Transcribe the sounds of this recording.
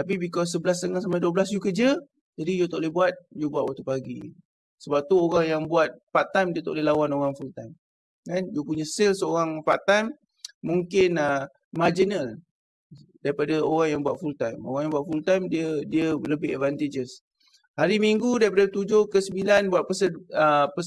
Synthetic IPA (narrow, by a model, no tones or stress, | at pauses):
t̪ap̬ibikɔs̬ːəbəlas̬t̪əŋalsamajduəbəlas̬d͡ʒukəd͡ʒə | d͡ʒadijut̪oʔlebuat̪̚jubuat̚wʔaʔt̪upaɡi | səbap̚t̪uoɣaŋjaŋbuat̪̚pat̪ajmdiət̪o̰ʔlelawanoɣaŋfult̪ajm | kand͡ʒəpuɲəsɪlsəoɣaŋfat̪ajmː | uŋkɪnə | mad͡ʒinəl | daɾipadaoɣaŋjaŋbuat̪̚fult̪ajmo̰ɣaŋjaŋbuat̪̚fult̪ajmdiədiələbɪɦɛtvant̪ed͡ʒəs | haɾimiŋɡudaɾipadat̪ud͡ʒohkəsəmbilanbuat̪̚pəsəəpə